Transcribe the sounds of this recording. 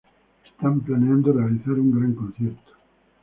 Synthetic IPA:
est̪amplaneãnd̪orealiθaɾuŋɡɾaŋkonθjeɾt̪o̥

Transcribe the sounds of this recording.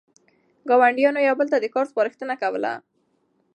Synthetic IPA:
ɡɑwaɳɖjɑnojɑwbəlt̪ad̪əkɑɾspɑɾəxt̪ənakawəla̰

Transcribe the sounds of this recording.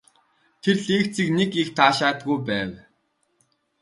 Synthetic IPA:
t̪ʰerɮeːkt͡siknekixt̪ʰaːʃaːt̪̚ɡujpæːw

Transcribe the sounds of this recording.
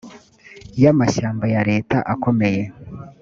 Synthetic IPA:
jamaʃaːmbajaɾe̞ːtaʔako̞me̞je̞

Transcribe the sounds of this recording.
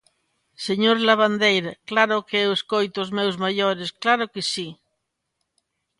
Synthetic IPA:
seɲoɾlaβ̞and̪ejɾklaɾokeeweskojt̪ozmewzmaʎoɾesklaɾokesi

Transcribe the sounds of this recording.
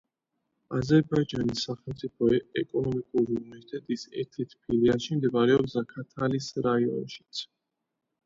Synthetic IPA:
azɛɾbaid͡ʒanisːaχɛlmt̪sʼipʰɔɛkʼɔnɔmikʼuɾiunɛit̪ʼɛt̪ʼisɛ̰ɾt̪ʰɛt̪ʰpʰiliaʃimd̪ɛbaɾɛɔpsakʰat̪ʰalisɾaiɔ̰nʃi̥t̪sʰ

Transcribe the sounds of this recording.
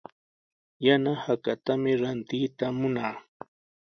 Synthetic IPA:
janahakat̪amɪɾant̪ɪjt̪amʊnaː

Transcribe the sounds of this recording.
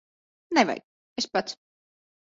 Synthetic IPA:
nɛva̰j | espat̪s

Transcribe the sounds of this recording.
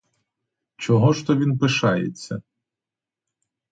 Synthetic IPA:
t͡ʃɔɦɔʃt̪ɔʋʲinpɪʃɑjḛt͡sʲːɐ

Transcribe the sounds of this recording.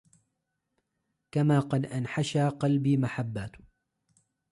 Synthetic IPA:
kamaːqɑd̪ʔanħaʃaːqɑlbiːmaħabːaːt̪

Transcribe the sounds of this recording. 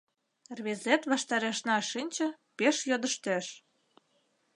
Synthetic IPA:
rβezet̪βɑʃt̪ɑɾeʃnɑʃinʲt͡ɕɤ̆ | peʃjod̪ə̆ʃt̪æʃ

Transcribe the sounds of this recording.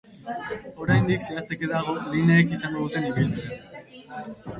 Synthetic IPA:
oɾajnd̪ikseast̪ekeðaɣolineekisambaut̪eniβile

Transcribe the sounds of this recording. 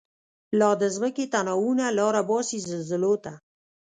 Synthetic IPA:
lɑd̪əzməket̪anɑwunalɑɾabɑsizzəlzəlot̪a

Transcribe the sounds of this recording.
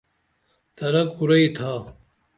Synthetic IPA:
t̪ɐɾɐkuɾɐit̪ʰaː

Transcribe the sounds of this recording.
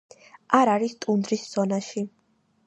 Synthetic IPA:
ʔaɾaɾist̪ʼund̪ɾisz̥ɔnaʃi

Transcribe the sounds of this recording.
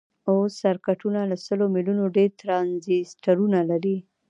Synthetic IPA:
awsːaɾkaʈunalasəlomilunoɖeɾt̪ɾɑnzisʈaɾunalaɾi

